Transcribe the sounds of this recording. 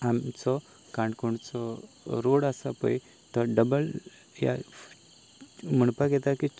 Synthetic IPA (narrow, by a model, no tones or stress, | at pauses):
amt͡sɔ | kãɳɖkuɳɖt͡sɔ | ɾoɽasapə̰j | t̪ɔɖəbəl | ja̰ | m̤əɳpaɡɛt̪aki